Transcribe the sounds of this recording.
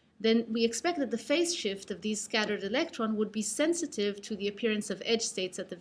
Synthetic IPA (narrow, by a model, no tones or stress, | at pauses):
ðɨ̃nwiɨkspɛk̚t̚ðɨt̪̚ðɨfeɪsʃɪftʌvðiz̥skæɾə˞ɾɨlɛk̚tʰɹ̥ɑ̃nwəd̚bisɛ̃nsɨɾɪv̥tʰɨðiɨpʰɪɹɨ̃nsʌvɛd̥d͡ʒʒ̥steɪtsɨt̪̚ðɨ